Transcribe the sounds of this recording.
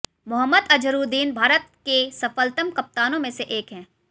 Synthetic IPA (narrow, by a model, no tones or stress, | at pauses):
mʊɦəmːəd̪ɐd͡ʒəɾuːd̪iːnbʱaːɾət̪̚kesɐfəlt̪əmkɐp̚t̪aːnõmẽseʔeːkɦɛ̃ː